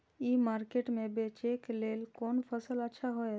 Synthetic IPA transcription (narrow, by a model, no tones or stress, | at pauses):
iːmaɾkeʈmẽbet͡ʃekleːlkoːnpʰəsələtːʃʰaɦoe